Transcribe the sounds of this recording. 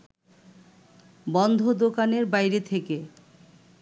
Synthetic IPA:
bɔnd̪ʱod̪okaneɾbajɾet̪ʰeke

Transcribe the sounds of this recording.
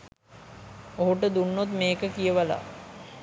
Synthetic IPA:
oɦuʈəd̪unːot̪meːkəkijəʋala̰

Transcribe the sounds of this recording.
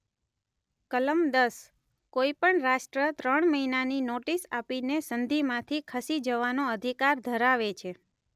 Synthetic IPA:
kələmd̪əs | koipəɳɾaʃʈɾət̪ɾəɳməinaninoʈisapinesənd̪ʱimãt̪ʰikʰəsid͡ʒəʋanoəd̪ʱikaɾd̪ʱəɾaʋet͡ʃʰe

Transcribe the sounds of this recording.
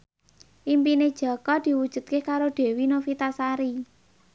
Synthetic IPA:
ʔimpined̥ʒ̥ɔ̤kɔd̪̥i̤wud̥ʒ̥ṳt̪̚kekaɾoɖ̥e̤winofit̪asaɾi

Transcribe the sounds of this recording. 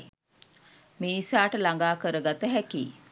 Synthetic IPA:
minisaːʈəlaŋɡaːkəɾəɡat̪əɦækiː

